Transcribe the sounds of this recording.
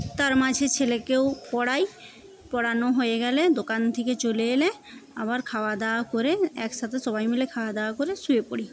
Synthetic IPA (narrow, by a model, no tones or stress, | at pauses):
t̪aɾmad͡ʑʱet͡ɕʰelekewpɔɽaj | pɔɽanoɦojeɡɛled̪okant̪ʰeket͡ɕoleele | a̰βaɾkʰawad̪aakoɾeɛkʃat̪ʰesɔbajmilekʰaoad̪aakoɾesuepoɽi